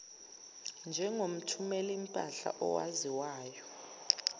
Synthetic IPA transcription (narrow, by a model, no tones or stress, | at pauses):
nd͡ʒʱɛŋom̩tʰumɛlim̩pʼaɬa̰ʔɔwa̰ziwaːjɔ